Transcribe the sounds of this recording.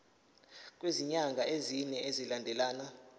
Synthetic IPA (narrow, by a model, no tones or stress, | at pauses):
k̬ʼweziɲaŋɡʱaʔeziɲɛʔezilandʱɛlaːna